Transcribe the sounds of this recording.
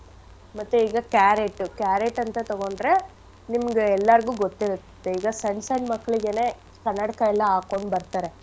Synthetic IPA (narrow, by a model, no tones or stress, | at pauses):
mɐt̪ːuiːɡɐkaːɾeʈːukaːɾeʈːɐnt̪ɐt̪ɐɡo̞ɳɖɾe̞ | nimɐɡeɛlːɐɾɐɡuːɡot̪ːiɾut̪t̪ːeiːɡɐsɐɳɖsɐjɳmɐkːɐɭiɡene̞ː | kɐnːɐɽikɐɛlːɐaːko̞ɳɖbɐɾt̪aːɾe̞